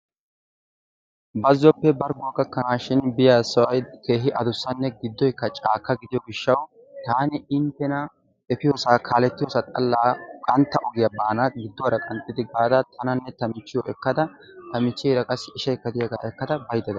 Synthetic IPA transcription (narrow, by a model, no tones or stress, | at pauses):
bɐzːɔpːɛbɐɾɡʊkːɐkːɐnaːʃɪnbɪjaːsɐwɐjke̞ːɦɪʔɐd̪ʊsːɐnːɛɡɪd̪ːɔjkːɐt͡ʃʼaːkːɐɡɪd̪ɪjɔɡɪʃːɐw | t̪aːnɪɪnt̪ːɛnɐ | ɛfɪjoːsaːkʰaːlɛt̪ːɪjosat̪ʼɐlːaːkʼɐnt̪ːɐʔɔɡɪjabaːnaɡɪd̪ːɔwɐɾɐkʼɐnt̪ʼːɪd̪ɪɡaːd̪ɐt̪ʰɐnɐnːɛt̪ɐmɪt͡ʃːɪjɔʔɛkːɐd̪ɐt̪ɐmɪt͡ʃːɛjɾɐkʼɐsːɪʃɐkːɐd̪ɪjɐɡaːʔɛkːɐd̪ɐbɐjd̪ɛd̪ɐ